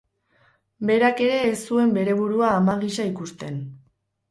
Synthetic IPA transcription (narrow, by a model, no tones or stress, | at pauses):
be̞ɾake̞ɾe̞ːsːue̞mbe̞ɾe̞β̞uɾuaːmaɣiʃaikust̪e̞n